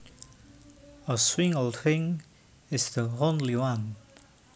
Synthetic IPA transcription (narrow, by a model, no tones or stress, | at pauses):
əswɪ̃ŋoldθɪ̃ŋ | ɪsðəɦõnliwãn